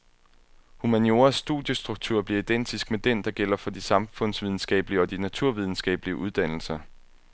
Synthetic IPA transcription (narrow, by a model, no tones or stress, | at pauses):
humænjo̝ːɐsːd̥ṵðˠjəsd̥ʁuɡ̥̚t͡sʰuɐ̰b̥liɐid̥en̰d̥isɡ̥̚med̥end̥ɑ̈ɡ̥el̰ɐfɒ̽d̥isɑ̈mfɔ̽n̰sʋið̞ˠn̩sɡ̥ɛ̰ːbəliəɒ̽d̥inæt͡sʰuɐ̰ʋið̞ˠn̩sɡ̥ɛ̰ːb̥əliəʔuð̞ˠd̥æn̰l̩sɐ